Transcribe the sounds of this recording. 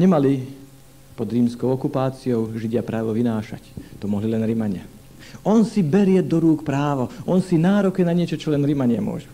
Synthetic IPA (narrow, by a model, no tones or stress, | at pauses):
ɲɛmali | pɔd̪ɾiːmskɔʊɔkupaːt͡siɔʊʒiɟɪapɾaːʋɔʋinaːʃa̰ct̪ɔmɔɦlilɛnɾimaɲɪa | ɔnsibɛɾɪɛd̪ɔɾuːkpɾaːʋɔʔɔnsinaːɾɔkɛnaɲɪɛt͡ʃɔt͡ʃɔlɛnɾimaɲɪamʊɔ̰ʒu